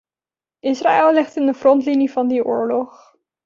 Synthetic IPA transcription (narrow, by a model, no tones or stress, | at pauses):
ʔɪsra̰ːɛlˠɪχtɪndəfrɔntlinivɑndiʔʊːɹlɔχ